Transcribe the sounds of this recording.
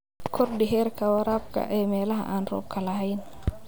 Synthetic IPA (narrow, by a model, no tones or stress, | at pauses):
kʰɔrɖɪɦɛːrkʰɐwɑɾaːb̚kʰɐ̰ʔɛːmɛːlɐɦɐ̰ʔaːnrɔ̰ːb̚kʰɐlɐɦɛjn